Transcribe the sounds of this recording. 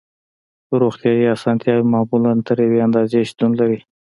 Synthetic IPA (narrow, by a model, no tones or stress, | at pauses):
t̪oɾoxt̪jɑiɑsɑnt̪jɑwimamulant̪əɾeweand̪ɑzeʃt̪unlaɾi